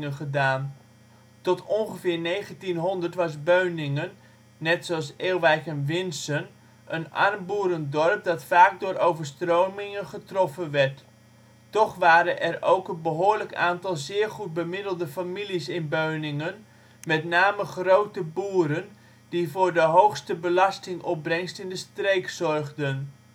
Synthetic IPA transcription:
ŋəχədaːn | tɔtʰɔnχəfɪːɹnejχəntinɦɔndəɹtʋɑs̬bøɥnɪŋənː | ɛtsoɑseːlˠʋɛjkənʋɪnsən | ʔəna̰rmbuːɾəndɔrp̚dɑtfaːk̚dʊːɾʔowvəɹstrowmɪŋənχətrɔfənʋɛɹtː | ɔχʋaːɾənʔɛrowkənbəɦʊːɹləka̰ːntɑlˠzɪːɹχut̚bəmɪdəl̩ˠdəfamilisɪnbøɥnɪŋən | mɛtnaːməχrowtəbuːɾən | divʊːɹdəɦowxstəbəlɑstɪŋʔɔp̚brɛŋstɪndəstrejksɔrɣdən

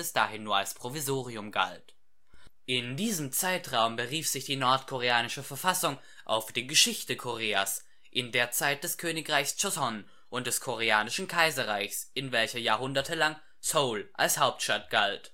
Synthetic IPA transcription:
ɪsd̥aːɦɪnːuːɐalspʁ̥ovizoːʁiʊmɡa̰lt | ʔɪndiːzəmt͡saɪtʁaʊmbəʁiːfz̥ɪçd̥iːnɔɐtkʰoʁ̞eaːnɪʃəfɛɐfasʊŋ | ʔa̰ʊfd̥eːɡəʃɪçtəkʰoʁeːas | ʔɪndeːɐt͡saɪt̚d̥ɛskʰøːnɪkʁaɪçst͡ʃɔsɔn | ʔʊnt̚d̥ɛskʰoʁeaːnɪʃn̩kʰaɪzɐʁaɪçsʔɪnvɛlçɐjaːɐɦʊndɐtʰəlaŋ | soʊlʔa̰lshaʊp̚tʃtat̚ɡ̥alt

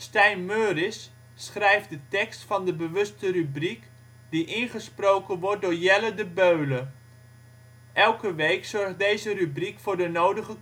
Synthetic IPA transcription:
stɛjnmøːrɪsː | χrɛjfdətɛkstfɑndəbəʋɵstərybrik | d̥iʔɪnχəsprowkənʋɔrt̚dʊːɹjɛlədəbøɥlə | ʔɛlˠkəʋejksɔɹχdejzərybrikfʊːɹdənowdəχə

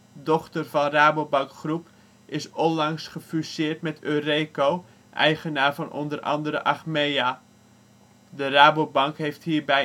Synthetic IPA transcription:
dɔχtərvɑnraːbowbɑŋkχrup | ʔɪsɔnlɑŋsχəfysɪːrtmɛtʰøːrejkow | ʔɛ̰jχənaːɹvɑnʔɔ̰ndərʔɑ̰ndəɾə̰ʔaχmejaː | dəraːbowbɑŋkɦejfthiːɹbɛ

